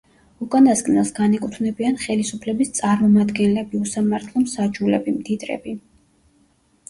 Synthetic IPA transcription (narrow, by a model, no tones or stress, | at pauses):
ukʼand̪askʼnɛlˠsɡanɛkʼut̪ʰvnɛbianχɛlisupʰlɛbist̪sʼaɾmɔmad̪ɡɛnlɛbiusamaɾt̪ʰlˠɔmsad͡ʒulɛbimd̪id̪ʼɾɛ̰bi